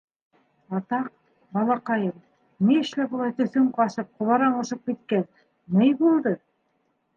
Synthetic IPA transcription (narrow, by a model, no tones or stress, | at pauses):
ɑt̪ɑq̚ | bɑlˠɑqɑjɤm | niɘ̆ʃlæbulˠɑjt̪ɵ̆θɵŋqɑʃɤp̚qŏβɑɾɑɴŏʃɤp̚kit̪̚kæn | nɘjbulˠd̪ɤ